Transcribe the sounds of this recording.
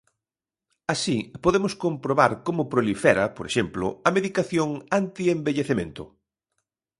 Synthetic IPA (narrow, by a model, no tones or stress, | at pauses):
asipoðemʊskompɾoβaɾkomʊpɾolifɛɾɐpoɾḛʃemplʊ̰ɐmeðikaθjoŋant̪iembeʎeθemẽnt̪ʊ̰